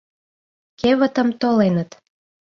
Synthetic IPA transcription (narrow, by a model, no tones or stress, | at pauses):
keβə̆t̪ə̆mt̪olenət̪